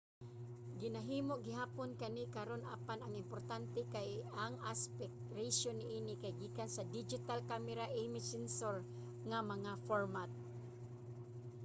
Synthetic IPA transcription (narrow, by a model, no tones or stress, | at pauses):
ɡɪnaɦiːmoʔɡɪɦaːponkanɪkaɾonʔa̰panaŋɪmpoɾt̪ant̪ɛkajaŋaspɛk̚t̪ɾesonːɪʔiːnɪkajɡiːkansad̪id͡ʒɪt̪alkamɛɾaʔemɪsɛnsoɹ | ŋamɐŋafoɹmat̪̚